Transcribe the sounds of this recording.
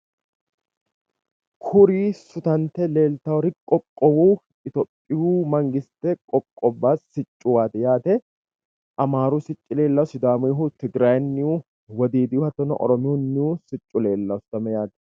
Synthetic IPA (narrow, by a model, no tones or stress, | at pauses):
kʰʊɾiːsʊt̪ɐnt̪ɛle̞ːlt̪ɐwɔɾɪkʼɔkʼːɔwuː | ɪt̪opʼːɪjuːmɐŋɡɪst̪ɛkʼɔkʼːɔbːaːsɪt͡ʃʼːʊwaːt̪ɛjaːt̪ɛ | ʔɐmaːɾuːsɪt͡ʃʼːɪle̞ːlːɐsʊd̪aːmɪɦut̪ɪɡɾaːjnːɪuː | wɐd̪iːd̪ɪʊhɐt̪ːɔnɔ̰ʔɔ̰ɾɔmɪʊnːɪuːsɪt͡ʃʼːʊle̞ːlːɐwsʊt̪ɐmɛjaːt̪ɛ̥